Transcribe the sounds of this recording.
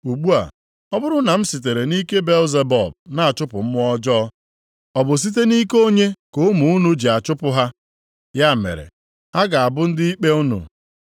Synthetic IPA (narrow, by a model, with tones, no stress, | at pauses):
u˨ɡ͡bu˦a̰˨ | ɔ˦bʊ˦ɾʊ˦na˨m̩˦si˨t̬e˨ɾe˨ni˦ke˦be˦lze˨bɔ̰˨b̚na˨a˨t͡ʃʊ˦pʊ̰˨m̩˦m˦ɔ˦d͡ʒɔ˦ | ɔ˨bʊ˨s̬i˦t̬e˦ni˦ko˦ɲe˦ko˦mu˨u˦nu˨d͡ʒi˨a˨t͡ʃʊ˦pʊ˦ɦa˦ | ja˦mḛ˨ɾḛ˨ | a˦ɡa˨a˨bʊ˦n̩˦dɪ˦i˦k͡pe˦u˦nṵ˨